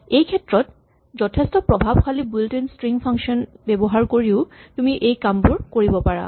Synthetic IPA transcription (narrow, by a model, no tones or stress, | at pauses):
ejkʰɛtɹɔt | zɔtʰestɔpɹɔbʱabkʰalibultenstɹiŋpʰaŋkʃɔnbɛbɔɦaɹkoɹiʊtumiʔejkampuɹkoɹibɔpaɹa̰